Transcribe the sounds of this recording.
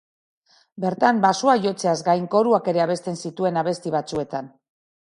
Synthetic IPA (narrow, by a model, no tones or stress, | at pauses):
be̞ɾt̪ambasuaʝo̞t͡se̞azɡajŋko̞ɾuake̞ɾe̞aβe̞st̪e̞nsit̪ue̞naβ̞e̞st̪iβ̞at͡sue̞t̪an